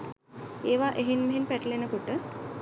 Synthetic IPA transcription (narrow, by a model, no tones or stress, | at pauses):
eːʋaʔeɦinmeɦenpæʈəlenəkoʈə